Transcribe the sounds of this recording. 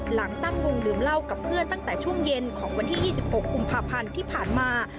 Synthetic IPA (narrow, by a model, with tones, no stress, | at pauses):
la˩˦ŋt̪a˥˩ŋko˧ŋdɯː˩˦mla˥˩wka˨˩pʰːɯ˥˩ənt̪a˥˩ŋt̪ɛː˨˩t͡ɕʰu˥˩əŋje˧nkʰɔː˩˦ŋwa˧nt̪ʰiː˥˩jiː˥˩si˨˩p̚ho˨˩kːu˧mpʰaː˧pʰa˧nt̪ʰiː˥˩pʰaː˨˩nmaː˧